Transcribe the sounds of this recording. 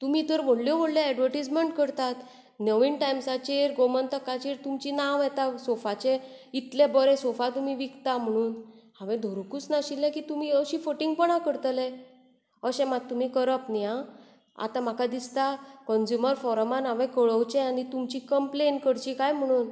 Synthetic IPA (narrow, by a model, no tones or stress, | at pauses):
t̪umit̪əɾʋoɽljɔʋəɽljaɛɖʋəɾʈid͡zməɳʈ̚kəɾt̪at̪ | nəʋinʈajmsat͡ɕeɾɡomənt̪əkat͡ɕiɾt̪umt͡ɕinaʋjɛt̪asɔfat͡ɕẽit̪lebəɾɛsɔfat̪umiʋikt̪am̤əɽ̃uːn | ãʋɛ̃d̪ʱoɾkuːt͡snaɕilãkit̪umiəɕifoʈĩŋɡpəɳakəɾt̪əlɛ | əɕɛ̃mat̪ːum̤ikəɾəpniã | a̰t̪ãm̤akʰad̪ist̪akɔnd͡ʑjuməɾfɔɾəmanaʋɛ̃kəɭəwt͡ɕẽanit̪umt͡ɕikəmplenkəɽt͡ɕikajm̤əɽ̃uːn